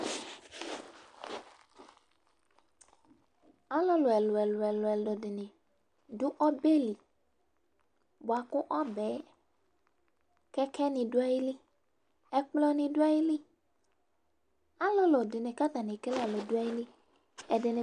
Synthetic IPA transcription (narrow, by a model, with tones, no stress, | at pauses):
a˦lo˦lo˨ɛ˨lo˨ɛ˨lo˨ɛ˨lo˨ɛ˨lo˨dɪ˨nẽ˨ | du˦ʔɔ˦be˦li˨ | bo˨a˨kʊ˦ʔɔ˦bɛ˨˦ | kɛ˦kʰɛ˦nĩ˨du˦a˦ji˦li˦ | ɛ˨k͡plɔ˦nĩ˨du˦a˦ji˦li˦ | a˦lo˦lo˨dɪ˨ne˨ka˦t̪a˨nĩ˨ke˦la˦˨lo˨du˦a˦ji˦li˦ | ɛ˨de˨ne˨